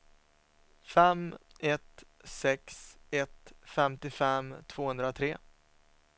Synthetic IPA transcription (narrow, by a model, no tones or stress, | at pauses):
fɛmɛt̪ | sɛksɛt̪fɛmt̪ɪfɛmt̪ʰv̥oːhɵnd̪ɾat̪ʰɾeː